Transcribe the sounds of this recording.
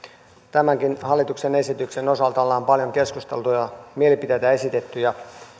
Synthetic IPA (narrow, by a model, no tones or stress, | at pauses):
t̪æmæŋkinhɑlːˑit̪uksene̞sit̪ykseno̞sɑlt̪ɑlːɑːmpɑljo̞ŋke̞skust̪e̞lt̪ujɑmielipit̪et̪æe̞sit̪e̞t̪ːyjɑ